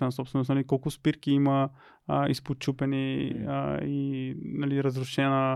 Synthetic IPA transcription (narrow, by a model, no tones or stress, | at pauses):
vɛnɐsɔpst̪vɛnosnɐlikɔlˠkʊspiɾkiimɐ | isput͡ʃupɛni | inɐliɾɐzɾuʃɛnə